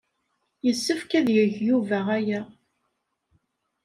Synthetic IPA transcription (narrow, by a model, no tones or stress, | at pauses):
jəsːəfkæðjəʝjuvæʁæjæ